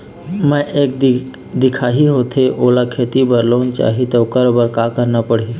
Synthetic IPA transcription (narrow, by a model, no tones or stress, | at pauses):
mə̃jʔek̪ | d̪ikʰaɦiɦot̪ʰeʔolakʰet̪ibəɾlənt͡ʃa̰ɦit̪əkəɾobəɾkakəɾnapəɽ̤e